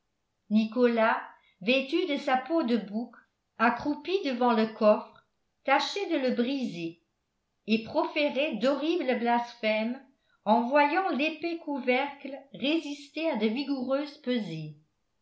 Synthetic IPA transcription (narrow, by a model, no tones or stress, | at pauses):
nikɔla | vɛt̪yd̪əsapod̪əbuk | akχupid̪əvɑ̃ləkɔfχ | t̪aʃɛd̪ələbʁize | epχɔfeʁɛd̪ɔʁiːbləblasfɛm | ɑ̃vwajɑ̃lepekuvɛʁklʁezist̪ead̪əviɡuʁøːzpøze